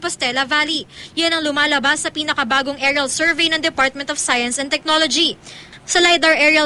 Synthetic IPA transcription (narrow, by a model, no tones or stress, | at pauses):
post̪ɛlɐvaːlijanɐŋlʊmaːlɐbasːɐpiːnɐkɐbaːɡoŋʔɛɹɐlsɛɹvɛjnɐŋd̪ɛpaɹt̪̚mɛnt̪ɔfsajɐnsɛnt̪ɛk̚nolod͡ʒi | sɐlajd̪ɐɹʔɛɹɐ